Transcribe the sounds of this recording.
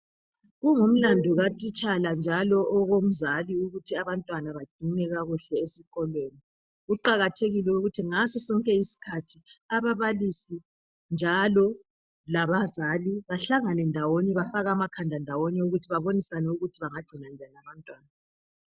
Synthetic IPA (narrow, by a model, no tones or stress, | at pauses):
ɣuŋum̩landʱɔɣatʼit͡ʃʼaland͡ʒʱalɔʔɔɣom̩zaliuɣutʰiaβantʼwanaβaɡ͡ǀ̥ʱinɛɣaɣuɬɛesiɣʼɔlweːni | ɣuǃaɣatʰeɣilɛuɣutʰiŋasɔsɔŋkʼɛisi̥kʰatʰiaβaβalisi | nd͡ʒʱalɔ | laβazaliβaɬaŋanɛndʱawoniβafaɣaːmakʰandʱandʱawonɛuɣutʰiβaβonisanɛuɣutʰiβaŋad̥ʱinand͡ʒʱaniaβantʼwaːna